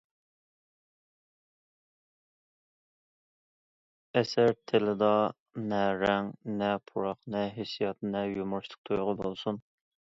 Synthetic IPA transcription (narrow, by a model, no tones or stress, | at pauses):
ɛsæɾt̪ʰelɪd̪ɑ | nɛɾɛŋnɛpʰuɾɑχnɛɦesijɑt̪̚nɛjumʊɾʃˠə̥q̚t̪ʰojʁəbolˠsun